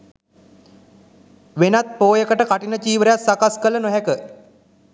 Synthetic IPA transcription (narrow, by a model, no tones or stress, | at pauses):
ʋenat̪̚poːjəkəʈəkaʈinət͡ʃiːʋəɾejat̪sakaskələnoɦɛkə